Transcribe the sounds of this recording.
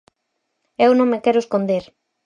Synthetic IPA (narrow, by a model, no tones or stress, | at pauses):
ewnõŋmekɛɾʊeskond̪eɾ